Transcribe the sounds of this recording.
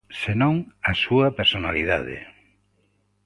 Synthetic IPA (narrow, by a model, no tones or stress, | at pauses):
senõŋasuɐpeɾsonaliða̰ðḛ